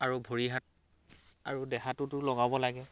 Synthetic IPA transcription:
aɹubʱoɹiɦat̚ | a̰ɹudɛxatʊtʊlɔɡabɔlaɡɛ

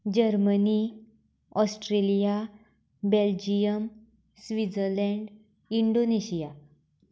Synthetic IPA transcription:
d͡ʑəɾməni | ɔsʈɾelija | beld͡ʑijəm | sʋid͡zəɾlɛ̃ɳɖ | iɳɖoneɕija

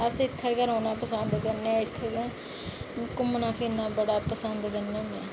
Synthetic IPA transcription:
əsɪt̪ʰːeːkəɾõːnãːpəsənd̪kəɾnɛ̃ːɪt̪ʰːeɡː | kʊmnaːpʰɪnãːbəɽaːpəsənd̪ɡənẽneː

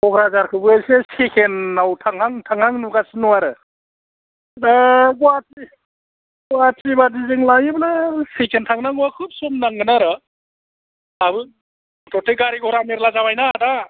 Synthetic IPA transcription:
ɔkɾazaɾkʰɯbɯsesekʰenːawtʰaŋɦaŋtʰaŋhaŋnuɡasinuwaɾɯ | aɡɔati | ɡwatibadizɯŋlajɯblasekʰentʰaŋnaŋuwakʰup̚sɔmnaŋɡɯnaɾɯ | abɯ | tɔtʰeɡaɾiɡɔɾameɾlazawajnada

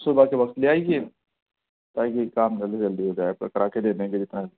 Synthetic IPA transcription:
sʊbʱakeʋɐkt̪leaːikeː | t̪aːikikaːmd͡ʒɐlɐld̪iɦoːd͡ʒaːepkəɾaːked̪eːneked͡ʒɪt̪na

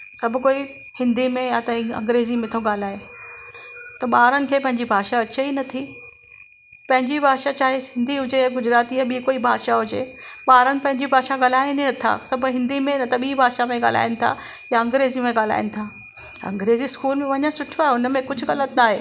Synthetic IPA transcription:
sɐbʱʊ̆koːi | hɪ̃nd̪imẽjat̪ɐɐ̰̃ŋɡɾeːzimẽt̪ʰoɠaːl̤aːe | t̪ɐɓaːɾənɪ̆kʰeːpɐ̃ɦɪ̃ɲd͡ʑibʱaːʃaɐt͡ɕeinɐt̪ʰi | pɐ̃ɦɪ̃ɲd͡ʑibʱaːʃat͡ɕaːɦesɪ̃nd̪ʱiɦʊd͡ʑejaɡʊd͡ʑɾaːt̪iɐɓikoːibʱaːʃaɦʊd͡ʑeːɓaːɾənɪ̆pɐ̃ɦɪ̃ɲd͡ʑibʱaːʃaɠaːl̤aːninɐt̪ʰa̰sɐbʱʊɦɪ̃nd̪imẽnɐt̪ɐɓiːbʱaːʃamẽɠa̰ːl̤a̰ːɪnɪ̆t̪ʰa̰jaɐ̃ŋɡɾeːzimẽɠaːl̤a̰ːɪnɪ̆t̪ʰaː | ɐ̰̃ŋɡɾeːziskuːlmẽʋɐɲãsʊʈʰoaːɦeʊnmẽkʊd͡ʑʱʊɣɐlət̪naːɦeː

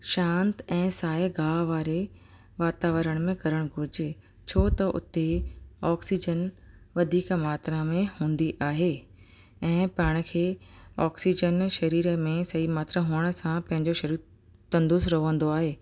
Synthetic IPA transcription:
ʃãːnt̪ɛ̃ːsaːeɡʱaːʋaːɾe | ʋaːt̪aːʋəɾəɽ̃̆mẽkɐɾəɽ̃ɡʱʊɾɪd͡ʑɪ | t͡ɕʰoːt̪ɐʔʊ̰t̪eɔːksid͡ʑən | ʋɐd̪ʱiːkmaːt̪ɾãmẽhũːn̆d̪iʔaːɦeː | ɛ̃ːpɐɦɪɽ̃ʊ̆kʰeːɔːksid͡ʑənʃɐɾiːɾəmẽsɐɦimaːt̪ɾəɦuːəɽ̃ə̆sãpɐ̃ɦɪ̃ɲd͡ʑoʃɐɾiːɾ | t̪ɐ̃nd̪ʊzɾɐɦʋə̃nd̪oaːɦeː

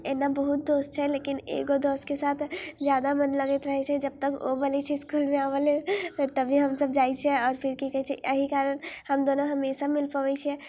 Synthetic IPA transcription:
enabəɦut̪̚d̪ost͡ʃʰɛlekinḛɡod̪oskesat̪ʰd͡ʒjad̪amənləɡɛt̪ɾəɦɛt͡ʃʰɛd͡ʒəb̚t̪əko̰bəlɛt͡ʃʰɛskulmeabəlẽt̪əbʱiɦəmsəbd͡ʒajt͡ʃʰɛɔːɾpʰiɾkikəɦɛt͡ʃʰɛəɦikaɾənhəmd̪onoɦəmesamilpəʋɛt͡ʃʰɛ

